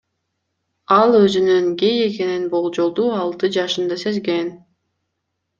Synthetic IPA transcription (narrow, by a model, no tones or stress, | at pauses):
ɑlˠøzynyŋɡeje̞ke̞ninbo̞lˠd͡ʒo̞lˠd̪uːɑlˠt̪ɯd͡ʒɑʃɯnd̪ɑse̞zɡe̞n